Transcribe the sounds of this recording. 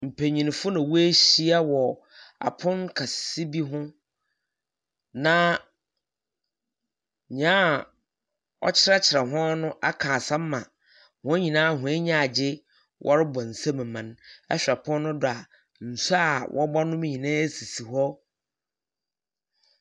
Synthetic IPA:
m̩˨pʰe˨ɲĩ˨ñ˨fʊ˦nã˨wu˦e˦ɕi˦a˦wɔ˨ | a̰˨pʰʊ̃˦nkʰa˨ssi˦bi˦ɦʊ̃˦ | nã˦˨ | ɲ˦ãː˦ | ɔ̰˦t͡ɕʰɪ˦ɾa˦t͡ɕʰɪ˨ɾa˨ɦɔ̃˦nʊ̃˦ʔa˦kʰãː˨sã˦m˦mã̰˨ | hʊ̃˦ɲĩ˨nãː˦ɦʊ̃˨˦e˦ɲã˦˨a˨d͡ʑɪ˦ | wʔɔ̰˦ɾɪ˦bɔ˨n̩˨sã˦mɛ̃˨mã˨nɛ̰˦ɕᶣa˨pʰʊ̃˦nː˦ʊ̃˦dʊ˨a˨ | n̩˨su˦a˨wʔɔ˦ba˦nʊ̃˦m˦ɲĩ˨nãː˦e˦si˨si˨hɔ˦

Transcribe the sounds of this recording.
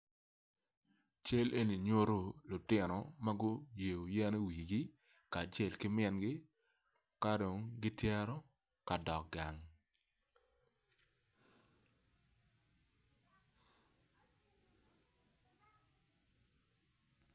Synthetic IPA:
t͡ʃe˦lʔe˦ni˨ɲo˦ɾo˨lʊ˨tɪ˦˨nɔ˨ma˦ɡʊ˦je˨o˨jɛ˦ne˦wi˨ɡi˦ | kaː˨t͡ʃe˨lkɪ˦mɛ˦nɡɪ˦ | ka˦do˨ŋɡi˦tjɛ˦ɾɔ˦ | ka˨dɔ˨k̚ɡa˨ŋ

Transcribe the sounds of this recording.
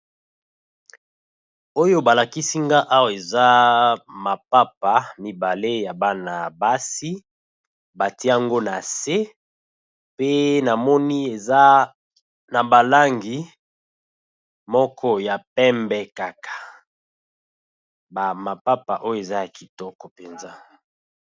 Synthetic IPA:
o˦jo˦ba˨la˨ki˦si˦ŋɡa˦ʔa˦wa˨e˨za˦ma˨pa˦pa˨mi˨ba˨le˦ja˨ba˦na˨ba˦si˦ | ba˨ti˦a˦ŋɡo˦na˨se˦ | pe˦na˨mɔ˦ni˦e˨za˦ | na˨ba˨la˦ŋɡi˨ | mɔ˦kʰɔ˦ja˨pɛ˦mbɛ˦ka˨kʰḁ˨ | ba˨ma˨pa˦pa˨ʔo˦jo˨e˨za˦ja˨ki̥˨tɔ˦kɔ˨pe˨nza˦

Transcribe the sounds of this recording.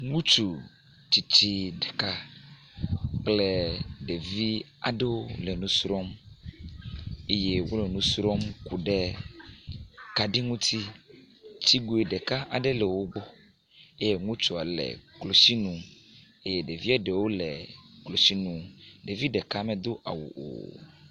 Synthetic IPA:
ŋũ˦t͡ʃu˨ | t͡ʃi˨t͡ɕi˦ɖɛ̥˨ka˦ | k͡plɛ˦ɖe˨vi˦ | a̰˨ɖe˦wo˦le˨nũ˦sɾɔ˦m | e˦je˦wo̰˦le˨nũ˦sɾɔ˦mku˨ɖɛ˦ | ka˨ɖi˦ŋũ˦t̪i˦ | t͡ɕi˦ɡu˦e˨ɖɛ˨ka˦a˨ɖe˦lɛ˨wo˦ɡ͡bɔ˦ | e˦je˦ŋũ˦t͡ʃɔ˨a˨lɛ̰˨klo˨si˦nũ˨ | e˦je˦ɖe˨vi˦a˨ɖe˨wo˦lɛ˨klo˨si˦nũ˨ɖe˨vi˦ɖɛ˨ka˦mɛ̃˨d̪o˦ʔa̰˨wṵ˨ʔo̰˨

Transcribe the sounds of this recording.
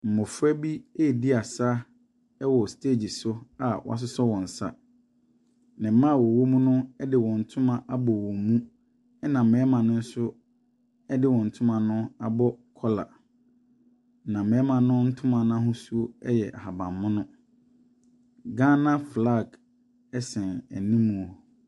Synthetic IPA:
m̩˨mʊ˨fɛ˦bi˦e˦˨di˦a˨sa˦ | ɛ˦wɔ˨stʰeː˦˨d͡ʑi˨sʊ˦a˨wɔ̰˦a̰˦s̬ʊ˦sɔ˦wɔ̃˨n̩˨sa̰˦ | nɪ̃˨m̩˦mã˦˨wɔ˨wo˦mũ˦nʊ̃˦ɛ˦dɪ˨wɔ̃˨n̩˨tʰʊ̃˦mã˨ʔa˦bɔ˨wɔ̃˨mũ˦ | ɛ˦nã˨m̩˨mɛ̃˨ɛ˦mã˨nʊ̃˦n̩˦sʊ˦ | ɛ˦dɪ˦wɔ̃˨n̩˨tʰʊ̃˦mã˨nʊ̃˦a˨bɔ˦kʰɔ˦la̰˨ | nã˨mɛ̃˨ɛ˦mã˨nʊ̃˦n̩˦tʰʊ̃˦mã˨nã˦ɦʊ̃˦su˦o˦ɛ˦jɛ˨ʔa˨ha˨bã˨mːʊ̃˦nʊ̃˦ | ɡã˦nã˦fla˦˨ɡ | ɛ˦sɛ̃˨næ̰˨nĩ˦mːũ˨o˨

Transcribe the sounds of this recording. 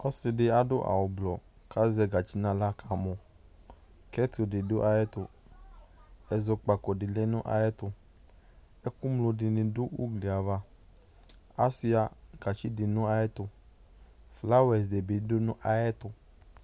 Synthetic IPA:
ɔ˦sɪ˧dɪ˧a˦dʊ˦ʔa̰˨wʊ˨blɔ˨ | ka˦zɛ˧ɡa˨t͡ʃi˦nã˧la˦ka˨mɔ˨ | kɛ˦tu˨de˨dʊ˦ʔa˧jɛ˦tʊ˧ | ɛ˨zo˧k͡pa˨kɔ˨dɪ˨lɛ˦nʊ̃˦ʔa̰˦jɛ˦tʊ˧ | ɛ˦ku˦mlo˧dɪ˨nĩ˧dʊ˦ṵ˦ɡli˨a˨va˧ | a˦si˦a˧ɡ̥a˨t͡ʃi˦di˨nũ˦a˧ɛ˦tʊ˧ | fla˦wɛ˨s̬de˨bi˨˦dʊ˦nũ˦ʔa˦jɛ˦tʊ˧

